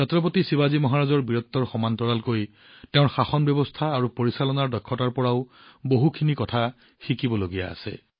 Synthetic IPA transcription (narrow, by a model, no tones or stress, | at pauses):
satɹɔpotisibazimɔɦaɹazɔɹbiɹɔt̪ːɔɹxɔmantɔɹalkoj | teʊ̃ɹxaxɔnbjɔbɔst̪ʰaːɹupoɹisalɔnaɹdɔkʰːɔtaɹpɔɹaʊ | boɦukʰinikɔtʰa | xikibɔloɡija̰a̰sɛ̰